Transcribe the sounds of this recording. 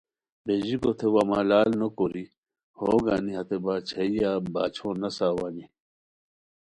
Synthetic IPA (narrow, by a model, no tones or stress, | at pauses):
beʑikot̪ʰewaːmaːlaːlnokoɾi | hoːɡaːniɦɐt̪ebaːt͡ɕʰɐijaːbaːt͡ɕʰõːnɐsaːwaːni